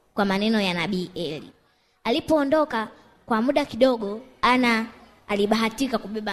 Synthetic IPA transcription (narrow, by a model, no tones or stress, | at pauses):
kwamanɛnɔjanaɓiːʔɛlḭ | alipɔːndɔka | kwamuɗakiɗɔɠɔanaː | liɓaɦatikakuɓɛɓa